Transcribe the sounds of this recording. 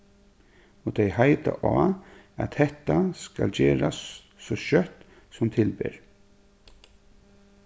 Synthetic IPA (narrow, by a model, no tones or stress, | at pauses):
ɔt̪ʰɛjhajt̪aʔaː | æt̪hɛht̪ːaskald͡ʑeːɾasː | ɔɕœt̪ | sʊmt̪ʰɪlbɪɹ